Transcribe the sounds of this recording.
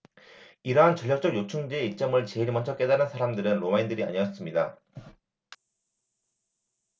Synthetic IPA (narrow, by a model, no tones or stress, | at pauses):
iɾʌɦant͡ɕʌʎːjak̚t͡ɕ͈ʌɡjot͡ɕʰuŋd͡ʑeeit͡ɕ͈ʌmɯɭt͡ɕe̞iɾmʌnt͡ɕʰʌk͈e̞daɾɯnsʰaɾamdɯɾɯnɾomaindɯɾia̰ɲijʌs͈ɯmɲida